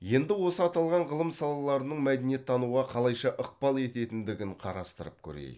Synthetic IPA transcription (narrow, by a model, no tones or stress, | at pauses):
je̞nd̪ɪwo̞səɑt̪ɑlˠʁɑɴʁəlˠəmsɑlˠɑlˠɑɾənəɴmæd̪enije̞t̪ʰːɑnuʁɑqʰɑlˠɑjʃɑʔəq̚pɑlˠe̞t̪e̞t̪ɪnd̪ɪɡʲɪɴqʰɑ̰ɾɑst̪əɾəp̚kʲʰɵ̰ɾḛj